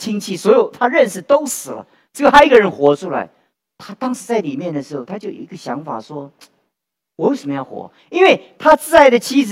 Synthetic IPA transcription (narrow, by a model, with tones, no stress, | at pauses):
t͡ɕʰi˥ŋt͡ɕʰi˥˩swɔ˧˥jo˨˩ʊt̪ʰa˥ɻə˥˧˩nʂɻ̩˨˩t̪o˥ʊsɹ̩˨˩lə̰˦ | ʈ͡ʂɤ˥˩ɡə˩a˥i˥ɡə˨˧ɻə˧˥nxwɔ˧˥ʈ͡ʂʰu˥la̰˧˥ɪ | t̪ʰa˥t̪ɑ˥ŋʂ̩˧˥t͡sa˥˩ɪli˨˩mjɛ˥˩nd̪ə˩ʂɻ̩˧˥xo˧˩ʊt̪ʰa˥t͡ɕjo˥˩ʊḭ˧˥ɡə˧ɕjɑ̰˧˥ŋfa̰˨˩ʂwɔ˥ | wɔ˧˥jo˧˩ʊʂə˨˩mə˦jɑ˥˩ʊxwɔ̰˧˥ | i˥nwe˥˩ɪt̪ʰa˥t͡sɹ̩˥˧t͡sa˥˩ɪd̪ə˩t͡ɕʰi˥ɹ